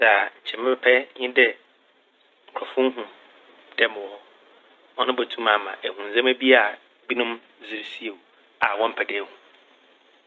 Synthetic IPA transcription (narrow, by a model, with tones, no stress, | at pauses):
sa˨a˨ɲ̩˨t͡ɕʰɛ̃˨mɛ̃˦pʰɛ˦pʰɛ˦ɲɪ̃˦dɪ˦ | ŋ̩˨kʰɔ˨fʊ̃˦ɦũ˨m | d̥ɛ˦m̃˨wɔ˦ | ɔ̃˦nʊ̃˦bæ˨tʰũ˦mã˨mã̰˨ʔæ˨hũ˨n˨zã˦mæ˦bi˦a˨ | bi˦nʊ̃˦m | zɪ˦ɾsi˦e˨ | a˨wɔ̃˦m̩˦pʰɛ˨dɛ˦˨hũ˨